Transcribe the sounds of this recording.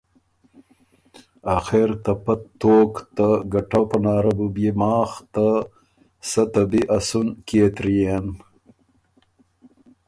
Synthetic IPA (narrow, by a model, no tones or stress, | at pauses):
axeɾt̪ɐpɐtt̪ːoːkt̪aɡɐʈapɐnɑːɾɐbubjemɑːxt̪a | sɐt̪ɐbiʔasunkeːt̪ɾijen